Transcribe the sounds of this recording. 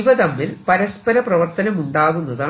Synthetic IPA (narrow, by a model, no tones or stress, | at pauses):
ʋɐðɐmːilpɐɾɐspɐɾɐprɐʋɐrt̪ɐnɐmuɳɖaːɣunːɐðaː